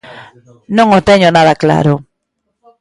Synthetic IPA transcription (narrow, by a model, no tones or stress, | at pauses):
nõŋot̪ɛɲonaðakla̰ɾʊ